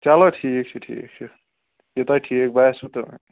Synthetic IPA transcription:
t͡ʃalʌʈʰik̚t͡ʃʰuʈʰḭk̚t͡ʃʰu | jet̪ajʈʰik̚bajsut̪ʌ

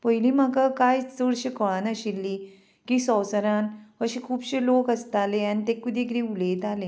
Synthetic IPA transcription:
pəjiliːməkakajt͡səɽɕikɔɭanəɕilːiː | kisɔwsəɾanəɕikʰuːbɕelokəst̪aleanit̪ekud̪ʱikɾiulet̪ale

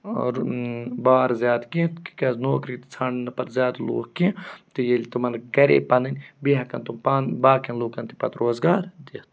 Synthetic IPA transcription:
baːɾzjaːd̪kit̪ki̥kɐznoːkɾit̪t͡sʰaːɳnɐpɐt̪zʲjaːd̪lo̰ːkkĩt̪ijelʲt̪umɐnɡɐɾḛpɐnɨnʲbiɦɐkɐnt̪umpanbaːkɐ̃nloːkɐnt̪ipɐt̪ɾoːzɡaːɾd̪it̪

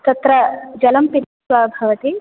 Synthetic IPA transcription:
t̪ɐt̪ɾɐd͡ʒɐlɐmpiɾʃʋaːbʱɐʋɐt̪i

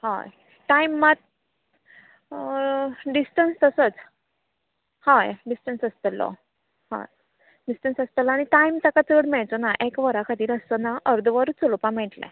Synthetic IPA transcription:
hã̰j | ʈajmːat̪̚ | ɖisʈənst̪əsət͡s | hajɖisʈənsəst̪əlːɔ̰ | hã̰ | ɖisʈənsəst̪əlːɽ̃iʈaimt̪akat͡səɽmɛɭt͡sɔnaʔekʋəɾakʰat̪iːɾəst̪ənaʔəɾd̪ʱʋəɾt͡sulpãmɛʈlɛ̰

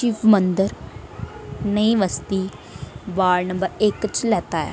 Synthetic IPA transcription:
t͡ʃiːpʰmənd̪əɾ | nəĩːʋəst̪iː | ʋaːɾnəmbəɾɪkt͡ʃlɛːt̪aːɛ̰ː

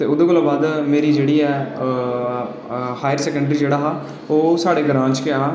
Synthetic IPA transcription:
t̪eːʊd̪oːkʊlaːbaːd̪meːɾiːd͡ʒeːɽiːɛː | haːjəɾsɛːkə̃ɳɖɾiːd͡ʒeːɽaːɦaː | oːsaːɽeːɡəɾãːɲt͡ʃkɪaː

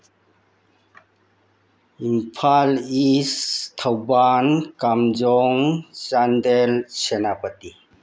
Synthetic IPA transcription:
impʰalistʰawbankamd͡ʒɔŋt͡ʃandelsenapəti

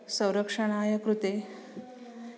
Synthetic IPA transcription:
sə̃w̃ɾəkʂəɽ̃aːjɐkɾut̪e

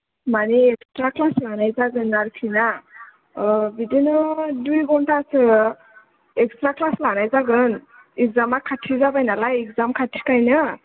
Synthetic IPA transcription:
maneekstɾaklaslanajzaɡɯnːaɾkʰina | bidinɯdujɡɔɳtasɯ | ekstɾaklaslanajzaɡɯn | ekzamakʰːatʰizabajnalaekzamkʰaʈʰːi̥kajnɯ

